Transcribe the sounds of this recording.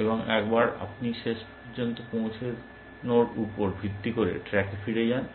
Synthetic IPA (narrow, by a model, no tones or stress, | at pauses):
eboŋɛkbaɾa̰pniʃeʃpoɾd͡ʑont̪opõwt͡ɕʰeɾ | noɾupoɾbʱit̪ːikoɾḛʈɾɛkefiɾed͡ʑan